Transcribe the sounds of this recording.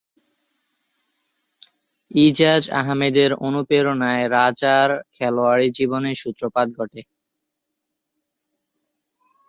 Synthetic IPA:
id͡ʑad͡ʑa̰ɦmed̪eɾonupeɾonaeɾad͡ʑaɾkʰɛloaɾid͡ʑiboneʃut̪ːɾopad̪ɡʱɔʈʰe

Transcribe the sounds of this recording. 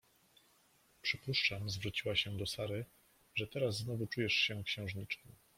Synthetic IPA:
pʂɘpuʂt͡ʂamzvɾut͡ɕiwaɕɛd̪ɔsaɾɘ | ʐɛt̪ɛɾasznɔvut͡ʂujɛʂɕɛkɕɛ̃w̃ʐɲit͡ʂnɛm

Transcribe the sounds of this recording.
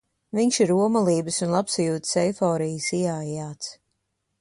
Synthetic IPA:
viɲʃiɾuɔmɐlˠiːbɨsunlˠapsajuːt̪sɛjfɔːɾijəsiaːjaːt̪s

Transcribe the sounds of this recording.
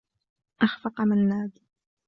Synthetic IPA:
ʔaxfɑqamanːaːd̪

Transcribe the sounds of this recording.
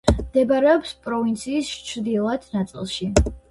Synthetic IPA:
md̪̥ɛbaɾɛɔpspʼɾɔvint̪sʰiːst͡ʃʰd̪ilˠad̪̥nat̪sʼḭlˠʃi

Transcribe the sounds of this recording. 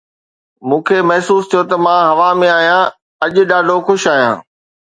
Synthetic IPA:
mũːkʰemɐɦsuːst̪ʰijot̪ɐmãːɦɐʋamẽaːɦijã | ɐʄʊ̆ɗaːɖʱoxʊʃaːɦijã̰ː

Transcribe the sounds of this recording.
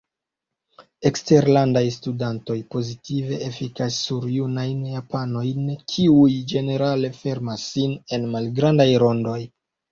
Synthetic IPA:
e̞kste̞ɾlandajstudanto̞jpo̞zitive̞ʔefikasːuɾjunajnjapano̞jnkʰiujd͡ʒe̞ne̞ɾale̞fe̞ɾmasːine̞nmalɡɾandajɾo̞ndo̞j

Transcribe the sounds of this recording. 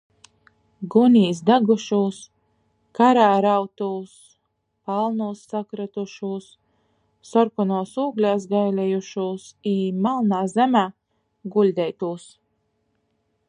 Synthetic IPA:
ɡunʲiːsd̪aɡuʃuːs | kaɾaːɾawt̪uːs | palˠnuːsːakɾat̪uʃuːsː | ɔɾkɔnuːsuːɡlʲaːsɡajlʲɛjuʃuːsiːmalˠnaːzɛmaː | ɡulʲd̪ʲɛjt̪uːs

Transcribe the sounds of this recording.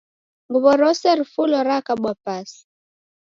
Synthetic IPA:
ŋɡuβɔɾɔsɛɾifulɔɾakaɓwapasi̥

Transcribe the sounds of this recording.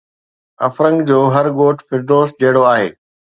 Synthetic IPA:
ɐfɾə̃ŋɡd͡ʑoːɦɐɾɡoːʈʰfɪɾd̪oːs̚d͡ʑɐɦɪɽoaːɦḛː

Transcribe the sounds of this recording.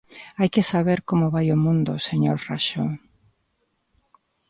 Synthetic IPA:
ajkɪsaβeɾkomʊβajomũnd̪ʊseɲoɾraʃo

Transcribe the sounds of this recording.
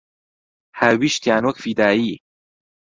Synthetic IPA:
hawiʃt̪jaːnwɐkfid̪aːji

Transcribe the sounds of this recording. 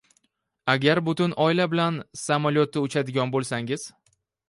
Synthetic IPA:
aɡʲaɾbʊt̪ʊnɒɪlabɪlansamaljot̪ʰːɪʊt͡ʃʰad̪ɪɡʲɒnbolˠsaŋɪz̥

